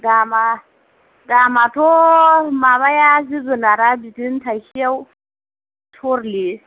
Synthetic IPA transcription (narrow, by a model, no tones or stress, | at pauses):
dama | damatomaβajaziɡɨnaɾabitintʰahijaw | tʰoɾle